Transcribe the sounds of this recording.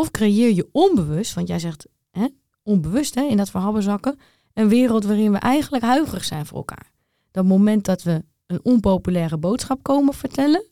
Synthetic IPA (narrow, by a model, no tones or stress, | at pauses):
ɔfkrejɪːɹjəɔnbəʋøstʋɔntjɛjzɛxt | hɛ | ɔnbəʋøstɦɛɪndɔtfərɦɑlˠbəzɑkə | ənʋɪːrəlˠtʋaːrɪnʋə̰ʔɛjɣənləkɦœɥɣərəxsɛjnfʊːrɛ̰lˠkʰa̰ːɹ | d̥ɔtmomɛnt̚dɔtʋə | ənɔnpowpylɛːɾəbowtsxap̚kowməfəɹtʰɛlə